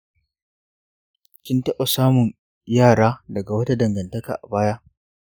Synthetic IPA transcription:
kʲɪ˦ntɐ˦ɓa˨saː˦mʊ˨ɲ | jaː˦˨ɽaː˦dɐ˨ɡa˨wɐ˦ta˦dɐ˨ŋɡɐ˨ntɐ˦ka̰ː˨ʔa̰˨baː˦ja˦ʔ

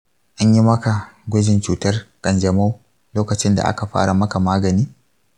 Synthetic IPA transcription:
ʔa˦ɲji˦mɐ˦ka˨ɡʷʊ˦d͡ʒɪ˨nt͡ʃuː˨tɐ˦rkʼɐ˨nd͡ʒɐ˨ma˦w | loː˦kɐ˨t͡ʃɪ˦nda̰˨ʔa̰˦ka˨ɸa̰ː˦ɽa˨mɐ˦ka˨maː˦ɡɐ˨niː˦

